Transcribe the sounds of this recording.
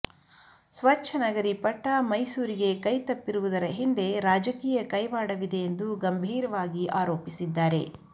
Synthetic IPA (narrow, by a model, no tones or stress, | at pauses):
sʋɐt͡ʃʰɐnɐɡɐɾipɐʈːɐmɐjsuːɾiɡe̞kɐjt̪ɐpːiɾuʋud̪ɐɾɐɦind̪e̞ɾaːd͡ʒɐkiːjɐkɐjʋaːɽɐʋid̪e̞jend̪uɡɐmbʱiːɾɐʋaːɡiʔaːɾoːpisid̪ːaːɾe̞̰